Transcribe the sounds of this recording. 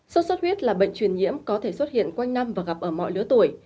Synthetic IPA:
sɔ˧˦˥t̚swə˦˥t̚hwi˦˥ət̚laː˨˩ɓə̰˧˨jŋ̟t͡ɕwi˨˩ənɲḭ˧˥əmkɔ˨˦t̪ʰe˧˩swə˦˥t̚hḭ˧˨ənkwa˧jŋ̟na˧mvaː˨˩ɣa˨˩p̚ʔəː˧˩mɔ̰˧˨jlɨ˨˦ət̪u˧˩əj

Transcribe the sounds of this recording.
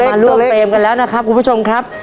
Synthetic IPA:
aː˧lu˥˩eː˧mka˧nlɛː˦˥wna˦˥kʰa˦˥p̚kʰu˧mpʰu˥˩o˧mkʰɾa˦˥p̚

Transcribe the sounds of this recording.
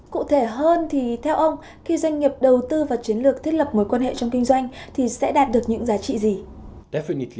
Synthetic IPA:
kṵ˧˨t̪ʰe˧˩ɦəː˧nt̪ʰi˨˩t̪ʰɛ˧wʔə˧wŋ͡m | xi˧zwa˧jŋ̟ŋi˨˩p̚ɗə˨˩wt̪ɨ˧vaː˨˩t͡ɕi˨˦ənlɨ˨˩əkt̪ʰi˦˥k̚lə˨˩p̚mo˨˦jkwaː˧nɦḛ˧˨t͡ɕɔ˧wŋ͡mkï˧ŋ̟zwa˧jŋ̟t̪ʰi˨˩sɛ̰˧˥ɗaː˨˩t̚ɗɨ˨˩ək̚ɲɨ̰˧˥ŋzaː˨˦t͡ɕḭ˧˨zi˨˩ | ɗɛ˦fi˧ni˨˧t

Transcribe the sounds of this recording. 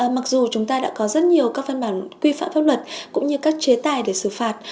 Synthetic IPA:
ʔə˨˩ma˨˩k̚zu˨˩t͡ɕʊ˨˦ŋ͡mt̪aː˧ɗa̰ː˧˥kɔ˨˦zə˦˥t̚ɲi˨˩əwkaː˦˥k̚va˧nɓaː˧˩nkwi˧fa̰ː˧˨mfaː˦˥p̚lwə˨˩t̚kʊ̰˧˥ŋ͡mɲɨ˧kaː˦˥k̚t͡ɕe˨˦t̪aː˨˩jɗe˧˩sɨ˧˩faː˨˩t̚

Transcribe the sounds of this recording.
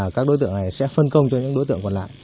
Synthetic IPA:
kaː˦˥k̚ɗo˨˦jt̪ɨ̰˧˨əŋna˨˩jsɛ̰˧˥fə˧nkə˧wŋ͡mt͡ɕɔ˧ɲɨ̰˧˥ŋɗo˨˦t̪ɨ˧˨ŋkɔ˨˩nla̰ː˧˨j

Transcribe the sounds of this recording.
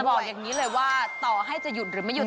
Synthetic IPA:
bɔː˨˩k̚jaː˨˩ŋiː˦˥lɤː˧jwaː˥˩t̪ɔː˨˩ɦa˥˩jt͡ɕa˨˩ju˨˩t̪̚ɾɯː˩˦ma˥˩ju˨˩

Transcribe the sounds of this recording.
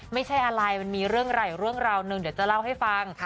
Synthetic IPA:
ma˥˩jt͡ɕʰa˥˩jʔa˧ɾa˧jmiː˧ɾɯ˥˩əŋɾa˧˩jɾu˥˩əŋɾaː˧wnɯ˨˧˩ŋdi˩˦wt͡ɕa˨˩la˥˩wɦa˥˩jfa˧ŋʰ˦˩

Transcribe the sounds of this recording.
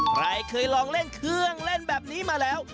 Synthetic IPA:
kʰɾa˧jkʰɤː˧jlɔː˧ŋle˥˩nkʰɯ˧əŋle˥˩nbɛː˨˩p̚niː˦˥maː˧lɛː˦˥w

